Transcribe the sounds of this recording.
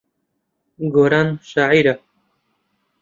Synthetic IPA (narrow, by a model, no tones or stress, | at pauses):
ɡoɾanʃaːʕiɾa